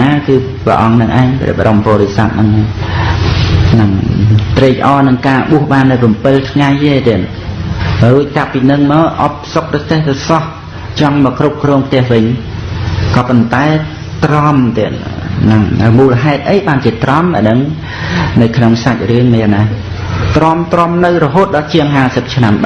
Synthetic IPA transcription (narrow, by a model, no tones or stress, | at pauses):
aːkɨː | prɛ̰ʔɑŋnɨŋʔaɛɲprɛ̰əɓa̰ʔompɔːɾisat̪̚nɨŋa | nɨŋt̪reːcʔɑːnɨŋkaːɓuəhɓaːnːɨwpɑmpɨlt̪ʰŋajʔeːt̪ɛən | ruəc̚kapːinɨŋmɑːʔɑp̚sok̚prɑt̪eht̪ɨsɑh | t͡ɕɑŋmɔːkrup̚krɔːŋpʰt̪ɛ̆əhʋɨɲ | kɑːpont̪aɛ | t̪rɑmt̪ɛənnɨŋ̰muːləɦaɛt̪̚ʔəjɓaːnt͡ɕiət̪rɑmʔə̰nəŋ | nɨwkʰnoŋsac̚rɨəŋmana | t̪romt̪rɑmnɨwrɔɦoːt̪̚ɗɑlt͡ɕiəŋɦaːsəp̚t͡ɕʰnamɓ